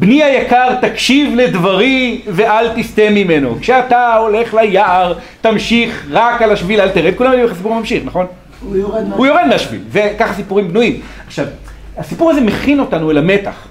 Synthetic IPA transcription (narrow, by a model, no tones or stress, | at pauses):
bniajakaʁt̪akʃivle̞d̪vaʁive̞ʔalt̪ist̪emime̞no̞̰kʃeat̪ao̞le̞χlajaaʁ | t̪amʃiχʁakalaʃvilalt̪eʁed̪̚kulamadimeχasipuʁmamʃiχnaχo̞n | ujoʁed̪meaʃvḭlvekaχasipuʁimbnuim | aχʃav | asipuʁazemeχino̞t̪anuelame̞t̪a̰χ